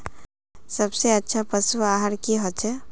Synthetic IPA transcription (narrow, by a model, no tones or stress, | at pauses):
səbseətːʃʰapəsuaɦaɾkiɦɔt͡ʃʰɛ